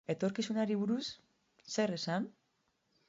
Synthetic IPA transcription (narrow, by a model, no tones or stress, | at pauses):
e̞t̪o̞ɾkisunaɾiβuɾusː | e̞resan